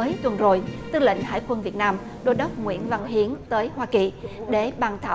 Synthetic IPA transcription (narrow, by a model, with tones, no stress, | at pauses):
əː˨˦jt̪wə˨˩nzo˨˩jt̪ɨ˧lḭ˧˨ŋ̟ha̰ː˧˥˨jkwə˧nvi˨˩ət̚naː˧m | ɗo˧jɗə˦˥k͡p̚ŋwḭ˧˥ənva˧ŋɦi˨˦ənt̪əː˨˦jhwaː˧ki˨˩ɗe˧˩ɓaː˨˩nt̪ʰaː˧˩